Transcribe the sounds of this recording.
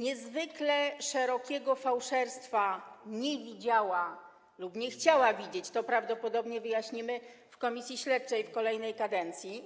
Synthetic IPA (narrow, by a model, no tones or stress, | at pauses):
ɲɛzvɘklɛʂɛɾɔkʲɛɡɔfawʂɛɾst̪faɲɛvʲid͡ʑawa | lupɲɛxt͡ɕawavʲid͡ʑet͡ɕt̪ɔpɾavd̪ɔpɔd̪ɔbɲɛvɘjaɕɲimɘfkɔmʲisʲjiɕlɛt̪̚t͡ʂɛjfkɔlɛjnɛjkad̪ɛnt̪sʲji